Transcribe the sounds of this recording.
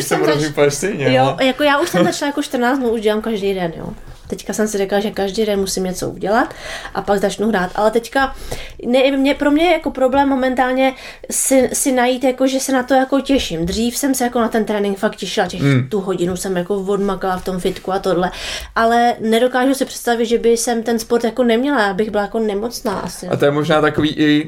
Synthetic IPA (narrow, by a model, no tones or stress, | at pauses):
sɛmifaʃst̪ɛjɲɛjojakojaːʔuʃsɛmzat͡ʃlajakoʃt̪r̩naːt͡st̪nuuʒɟɛlaːmkaʒdijdɛnjo̰ː | t̪ɛckasɛmsɪrɛklaʒɛkaʒdijdɛnmusɪmɲɛt͡so̰ʔṵɟɛlat̪ʔapaɡzat͡ʃnuɦɾaːt̪ʔa̰lɛt̪ɛckanɛmɲɛpɾo̞mɲɛjɛjako̞pɾo̞blɛːmːo̞mɛnt̪aːlɲɛ | sɪsɪnajiːt̪jako̞ʒɛsɛnat̪o̞jako̞cɛʃɪmd̪r̝iːfsɛmsɛjako̞nat̪ɛnt̪ɾɛːnɪŋkfakcɛʃɪlacɛxt̪uɦo̞ɟɪnusɛmjako̞vo̞dmakalaft̪o̞mfɪt̪kuat̪odlɛʔalɛnɛdo̞kaːʒusɪpr̥ɛ̥t̪st̪avɪt̪ʒɛbɪsɛmt̪ɛnspoɾt̪jako̞nɛmɲɛlajaːbɪɣbɪlajako̞nɛmo̞t͡sna̰ːʔa̰sɪa̰t̪ojɛmoʒnaːt̪akoviːʔɪ